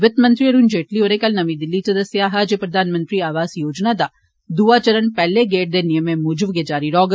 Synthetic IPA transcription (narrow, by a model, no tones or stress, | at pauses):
ʋɪt̪mɐnt̪ɾiɐɾund͡ʒeːʈlioːɾekɐlnɐmid̪ilːit̪ɐd̪ɐsjaɦaːd͡ʒjɐpɾɐd̪ʱaːnmɐnt̪ɾiaːʋaːsjoːd͡ʒnaːd̪ɐ | d̪uːʋaːt͡ʃɐɾɐnpɛlːeɡeːʈ̚d̪enijɐmemuːd͡ʒuʋɡed͡ʒaːɾiɾɔːɡ